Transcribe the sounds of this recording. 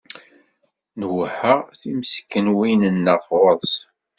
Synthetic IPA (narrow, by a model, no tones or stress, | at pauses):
nwħəθiməsə̥kːənwinənːəfəðˤs